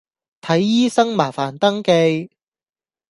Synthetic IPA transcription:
t̪ʰɐ˨˥jːiː˥sɐ˥ŋmaː˨˩faː˨˩nt̪ɐ˥ŋke˧j

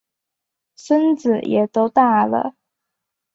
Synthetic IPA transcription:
ʂə˥nt͡s̩˨˩jʔɛ̰˨˩t̪o˥ʊt̪a˥˩lə̰˩

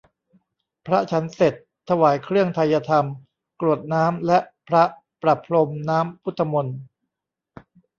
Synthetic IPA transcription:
pʰɾa˦˥t͡ɕʰa˦˥nse˨˩t̪ʰːa˧waː˩˦jkʰɾɯ˥˩əŋt̪ʰa˧jːa˧t̪ʰa˧m | kɾu˨˩ət̪̚naː˦˥mlɛ˦˥ʔpʰɾa˦˥ | pɾa˨˩pʰːlo˧mnaː˦˥mpʰu˦˥t̪ʰːa˧mo˧n

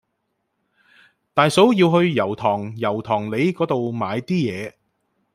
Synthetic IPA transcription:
t̪aː˨jso˨˥wjiː˧wɦɵ˧ɥjɐ˨˩wt̪ʰɔː˨˩ŋjɐ˨˩wt̪ʰɔː˨˩ŋle˨˧jkɔː˨˥t̪o˨wmaː˨˧jt̪iː˥jɛː˨˧

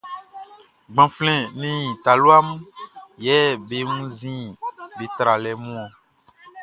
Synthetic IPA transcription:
ɡ͡bã˨flɛ̃˨nẽ˦jĩ˨t̪a˨lo˦a˦m˦jɛ˦be˨ŋũ˦zĩ˦be˨t̪ɾa˨lɛ˨mũ˦ɔ̃˨

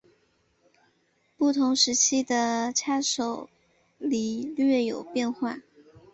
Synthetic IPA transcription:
pu˥˩t̪ʰʊ˧˥ŋʂɻ̩˧˥t͡ɕʰi˥d̪ə˨ʈ͡ʂʰa˥ʂo˨˩ʊ | li˨˥˩lɥɛ˥˩jo˨˩ʊpjɛ˥˧nxwa˥˩

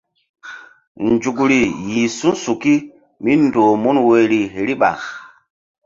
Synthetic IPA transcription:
nd͡ʒu˨k̬ɾi˨ji˨su˦su˨ki˦ | mi˦ndoː˨mu˦nwe˦ɾi˨ɦe˨ɾi˦ɓa̰˨

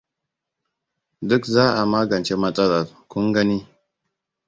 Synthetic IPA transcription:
dʊ˦kzaː˦ʔa˨maː˦ɡɐ˨nt͡ʃe˦mɐ˦tʼɐ˦lɐ˨ɾkʷʊ˦ŋɡɐ˦niː˦

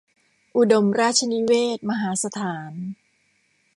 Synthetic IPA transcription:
ʔu˧do˧mɾaː˥˩t̪̚t͡ɕʰa˧ni˦˥weː˥˩t̪̚ma˧ɦaː˩˦sa˧t̪ʰaː˩˦n

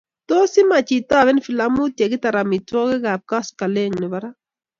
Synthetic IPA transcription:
to˦si˦ma˨t͡ʃi˨ta˦˨βɛ˦n˦fi˨la˦mu˦tje˨kɪ˦ta˨ɾa˨mi˨tɔ˦kɛ˦ɡa˨p̚ka˦ska˨le˦˨ŋnɪ˨ba˦ɾa˦

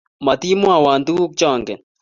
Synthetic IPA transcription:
mɐ˨t̪i˦mu˦a˨waː˨nd̪u˦k̚t͡ʃaː˦˨ŋke˨

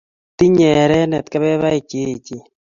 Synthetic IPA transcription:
ti˦ɲɛ˨ɾɛ˦nɛ˨t̪ka˦βɛ˦βa˦e˨ke˦t͡ʃi˨

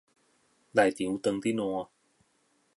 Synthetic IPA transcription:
da˨˧˩jt̪i˨˩˦wt̪ɤ˧ŋt̪i˦˥˩nɔ˧

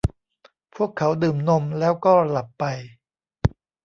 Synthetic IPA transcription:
pʰu˥˩əkʰːa˩˦˥wdɯː˨˩mno˧mlɛː˦˥wkɔː˥˩la˨˩pːa˧j

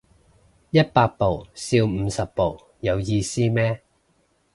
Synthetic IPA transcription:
jɐ˥t̚paː˧k̚po˨˩wsiː˧wm̩˨˧sɐ˨pːo˨˩w | jɐ˨˧wjiː˧siː˥mɛː˥

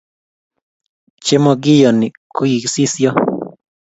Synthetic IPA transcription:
t͡ʃe˦mɔ˧ɡɪ˦jɔ˨nɪ˨ku˦i˨si˦sjɔ˦

